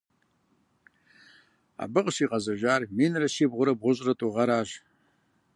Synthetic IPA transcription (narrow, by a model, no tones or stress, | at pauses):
a̰bɨqʼʃiqʼazaʒʷarminraʃibʁʷʊɾabʁʷʊʒʷʼratʼuʁaɾaʒʷ